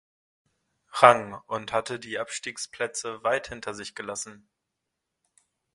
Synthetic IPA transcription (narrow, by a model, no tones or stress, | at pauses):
ʁaŋʊnthatədiːʔapʃtiːkspʰlɛt͡səvaɪthɪntʰɐzɪçɡ̥əlasn̩